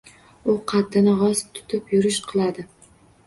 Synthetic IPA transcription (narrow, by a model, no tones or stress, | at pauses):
ʊqʰɑt̪ːɪnɪʁɒst̪ʰʊ̥t̪ʰɪpjʊɾɪʃqʰɨlˠad̪ɪ